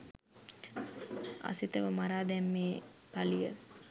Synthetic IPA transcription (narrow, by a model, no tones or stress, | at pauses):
a̰sit̪əʋəmaɾaːd̪ɛmːeːt̪alijə